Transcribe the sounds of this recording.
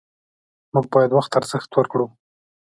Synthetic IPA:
muɡ̚bɑjad̪waxt̪aɾz̥əxt̪wəɾkɽu

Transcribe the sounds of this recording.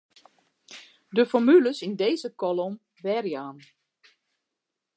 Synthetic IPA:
dəfɔɹmyləsindeːzəkɔlom | ʋɛrjaːn

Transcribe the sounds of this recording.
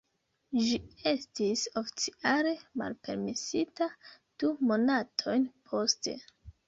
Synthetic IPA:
d͡ʒie̞stiso̞fi̥t͡siale̞ma̰lpe̞̰ɾmisita | d̥umo̞natʰo̞jnpʰo̞ste̞̰

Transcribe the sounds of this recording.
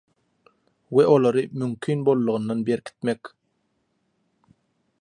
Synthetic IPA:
weʔo̞lˠɑɾɯmymkʰynbo̞lˠːuʁɯnːɑnbeɾkʰi̥t̪̚mek

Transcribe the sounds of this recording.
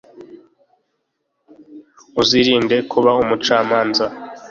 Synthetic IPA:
uziɾiːnde̞kʰuβaumut͡ʃaːmaːnza

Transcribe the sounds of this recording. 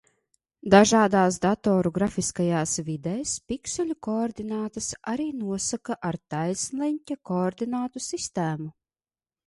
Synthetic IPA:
d̪aʒaːd̪aːs̬d̪at̪ɔːɾuɡɾafiskajaːsvʲid̪ɛjspʲiksʲɛlʲukɔːɾd̪inaːt̪asaɾiːnuɔsakaʔaɾt̪ajsʲlʲˠɛnʲtʲakɔːɾd̪inaːt̪usist̪æːmu

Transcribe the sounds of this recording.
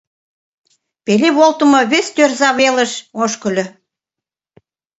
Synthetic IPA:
peleβolt̪ə̆mɤ̆βest̪ørzɑβelə̆ʃoʃkə̆lʲø̆

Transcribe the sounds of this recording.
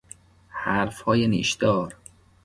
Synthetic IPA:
hæɾfhɒːjenḭːʃd̪̥ɒːɾ

